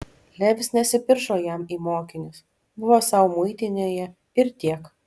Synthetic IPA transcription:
lʲɛʋʲɪsnʲɛsʲɪpʲɪɾʒoːjɛmiːmoːkʲɪnʲɪs | bʊʋoːsɑʊmʊɪt̪ʲɪnʲeːjɛ | ɪɾt̪ʲiɛk

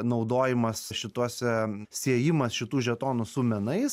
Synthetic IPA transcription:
nɒʊd̪oːjɪmɐsʃʲɪt̪uɔsʲɛsʲiɛjɪmɐsʃʲɪt̪uːʒʲɛt̪oːnʊsuːmʲɛnɐɪs

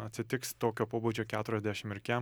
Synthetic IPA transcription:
ɐt̪ʲsʲɪt̪ʲɪkst̪oːkʲoːpoːbuːd͡ʒʲoːkʲæːt̪ʊɾʲɛzʲd̪ʲæʃʲɪmɪɾʲkʲɛ

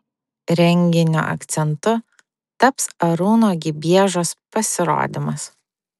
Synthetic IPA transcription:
ɾʲɛŋʲɡʲɪnʲṵʔɐ̰kt̪sʲɛnt̪ʊ | t̪ɐpsɐɾuːnoːɡʲɪbʲiɛʒoːspɐsʲɪɾo̰ːd̪ʲɪmɐs

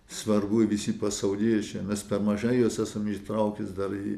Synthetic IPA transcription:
sʋɐrbuːɪʋʲɪsʲipɐsɐʊlʲiːt͡ʃʲɛmʲɛspʲɛrmɐʒɐɪjuːsæːsɐmit̪ɾɐʊkʲɪsd̪ɐriː

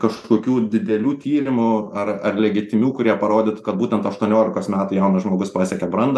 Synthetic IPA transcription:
kɐʃkoːkʲuːd̪ʲɪd̪ʲɛlʲuːt̪ʲiːɾʲɪmʊɐrɐrlʲɛɡʲɪt̪ʲɪmʲuːkʊɾʲiɛpɐɾoːd̪ʲɪt̪kɐt̪buːt̪ʲɛnt̪ɐʃt̪uɔnʲoːlʲɪkoːsmʲæːt̪ʊjɛʊnɐsʒmoːɡʊspɑːsʲɛkʲɛbɾɐnd̪ɐ

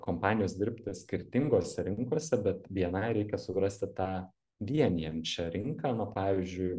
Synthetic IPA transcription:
koːmpɑːnʲɪjoːsd̪ʲɪɾʲpʲt̪ʲɪsʲkʲɪɾʲt̪ʲɪŋɡoːsʲɛɾʲɪŋkoɔsʲɛbʲɛt̪ʋʲiɛnɐɪɾʲɛɪkʲɛsʊɡɾɐsʲt̪ʲɪt̪ɑː | ʋʲiɛnʲijɛmt͡ʃʲɛɾʲɪŋkɑːnʊpɑːʋʲizʲd͡ʒʲʊɪ

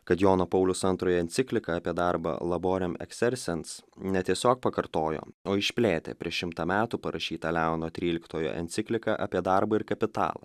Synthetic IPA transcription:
kɐt̪joːnoːpɐʊlʲʊsɐnt̪ɾoːjɛɛnʲt̪sʲɪklʲɪkɐɐpʲiɛd̪ɑɾbɐ̰lˠɐboːɾʲɛmɛ̰ksʲɛɾʲsʲɛnsnʲɛt̪ʲiɛsʲoːk̚pɐkɐɾt̪oːjo̰ːoːɪʃʲpʲlʲeːt̪ʲḛːpʲɾʲiɛʃʃʲɪmt̪ɐmʲæːt̪uːpɐɾɐʃʲiːt̪ɐlʲæʊnoːt̪ʲɾʲiːlʲɪkt̪oːjo̰ːʔɛ̰nʲt̪sʲɪkʲlʲɪkɐʔɐpʲiɛd̪ɑɾbɐɪɾkɐpʲɪt̪ɑ̰ːlˠɐ̰

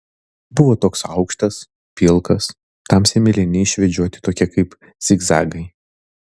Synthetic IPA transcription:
bʊʋoːt̪oːksɐ̰ʊkʃt̪ɐs | pʲɪlˠkɐs | t̪ɐmsʲɛmʲɪlʲɪnʲɪɪʃʲʋʲɛd͡ʒʲuɔt̪ʲɪ̥t̪oːkʲɛkɐɪp | sʲɪɡzɑ̰ːɡɐɪ

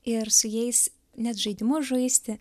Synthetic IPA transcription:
ɪɾsʊjɛɪs | nʲɛt̪ʒɐɪd̪ʲɪmʊʒoɪsʲt̪ʲɪ

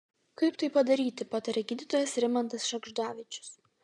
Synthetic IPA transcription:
kɐɪpt̪ɐɪpɐd̪ɐɾʲiːt̪ʲɪpoːt̪ʲɛɾʲɛɡʲiːd̪ʲit̪oːjɛsɾʲɪmɐnt̪ɐsʃɐɡʒd̪ɑːʋʲɪt͡ʃʲʊ̥s

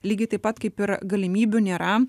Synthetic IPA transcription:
lʲiːɡʲɐɪt̪ɐɪpɐt̪kɐɪpɪɾɡɐlʲɪmʲiːbʲunʲeːɾɐ

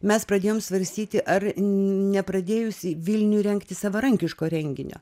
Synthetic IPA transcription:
mʲɛspɾɐd̪ʲeːjoːmsʋɐɾʲsʲt̪ʲiːt̪ʲɪʔɐrnʲɛpɾɐd̪ʲeːjʊsʲɪʋʲɪlʲnʲuːɾʲɛŋkt̪ʲɪsɑʋɐɾɐŋʲkʲɪʃkoːɾʲɛŋʲɡʲɪnʲo̰ː

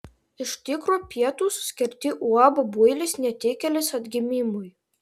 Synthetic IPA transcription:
ɪʃt̪ʲɪkɾoːpʲiɛt̪uːsʊ̥sʲkʲɪɾʲt̪ʲɪʔuɑːbɐbujlʲɪsnʲɛt̪ʲeːkʲɛlʲɪsɐd̪ʲɡʲɪmʲimʊj

